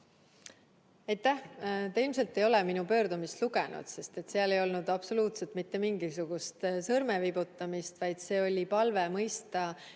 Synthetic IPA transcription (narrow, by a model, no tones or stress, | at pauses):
ɑjt̪ːˑæht̪eilmse̞lt̪ːe̞jo̞leminupø̞ːɾd̪umist̪luɡenṵd̪̥se̞st̪e̞t̪seɑle̞jo̞lnud̪̥ɑbso̞luːt̪set̪ˑmit̪ːe̞miŋɡisuɡ̥ust̪sɤrmevibut̪ːˑɑmist̪vɑjd̪̥se̞ːo̞lʲipɑlve̞mɤjst̪ɑ